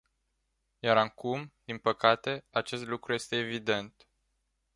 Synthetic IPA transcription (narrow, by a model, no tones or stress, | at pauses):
jaɾakumd̪inpəkat̪e̞at͡ʃe̞st̪lukɾuje̞st̪e̞ːvid̪e̞nt̪